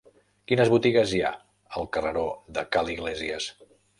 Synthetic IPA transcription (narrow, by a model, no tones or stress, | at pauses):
kinəzβut̪iɣəzia̰ | əlˠkərəɾoðəkaliɣleziəs